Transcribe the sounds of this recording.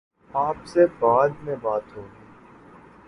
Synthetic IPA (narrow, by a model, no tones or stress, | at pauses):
aːpsebaːd̪mẽbaːt̪ɦõːɡiː